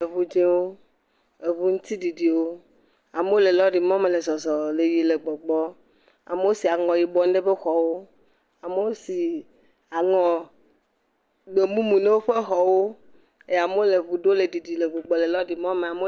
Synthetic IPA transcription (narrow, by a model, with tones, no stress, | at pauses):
e˨βu˨d͡ʒẽ˦wo˦ | e˨βu˦ŋũ˦t̪i˦ɖi˨ɖi˨wo˦ | a˨me˦o˦le˨lɔ˦ɖi˨mɔ̃˦me˨le˨zɔ˨zɔ˨le˨ji˨le˨ɡ͡bɔ˨ɡ͡bɔ˦ | a̰˨me˦wo˦si˨a˨ŋɔ̃˨ji˨bɔ˦n˦ɖe˦be˦xɔ˨wo˦ | a˨me˦wo˦si˨ | a˨ŋɔ̃˨ | ɡ͡be˨mũ˦mũ˨ne˦wo˦ɸe˦xɔ˨wo˦ | e˦ja˨mo˦le˨βu˨ɖo˦le˨di˨ɖi˨le˨βu˨ɡ͡bɔ˨le˨lɔ˦ɖi˨mɔ̃˦me˨a˨mo˦